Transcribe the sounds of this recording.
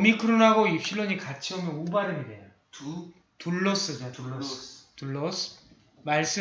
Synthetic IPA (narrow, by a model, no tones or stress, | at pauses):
omikʰɯɾonɦaɡoipɕʰiɭːoɲikat͡ɕʰiʌmjʌnubaɾɯnidea | tuɭːʌs͈ɯd͡ʑ | tuɭːʌs | maɭs͈ɯ